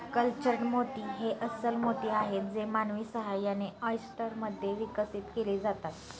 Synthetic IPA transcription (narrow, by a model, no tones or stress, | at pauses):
kəlt͡ɕəɾnmot̪iːɦeʔəsəlmot̪iːaɦet̪̚d͡zemanʋiːsəɦajaneəjsʈəɾməd̪ʱːjeʋikəsit̪keliːd͡zat̪at̪